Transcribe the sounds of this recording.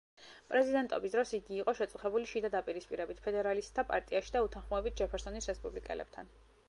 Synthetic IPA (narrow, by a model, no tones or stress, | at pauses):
pʼɾɛzid̪ɛnt̪ʼɔ̰bisd̪ɾɔsiɡiːqʼɔʃɛt̪sʼuχɛbuliʃid̪ad̪apʼiɾispʼiɾɛbit̪ʰpʰɛd̪ɛɾalist̪ʼʰːapʼa̰ɾt̪ʼiaʃi̥d̪aut̪ʰanχmɔɛbit̪̚ʰd͡ʒɛpʰɛɾsɔnisɾɛspʼublikʼɛ̰lɛ̰b̥̚t̪ʰa̰n